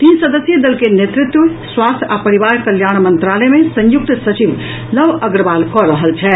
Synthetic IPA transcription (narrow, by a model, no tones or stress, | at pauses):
t̪insəd̪əsjəd̪əlkenet̪ɾit̪wəswast̪ʰapəɾiʋaɾkəljaɽ̃mənt̪ɾalɛmesə̃juk̚t̪sət͡ʃib | ləbəɡɾəbalkɔɾəɦəlt͡ʃʰɛ